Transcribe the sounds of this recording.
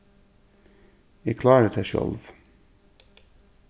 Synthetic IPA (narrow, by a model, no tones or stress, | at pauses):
ækʰlɑːɾət̪ʰeʃɔ̰lʋ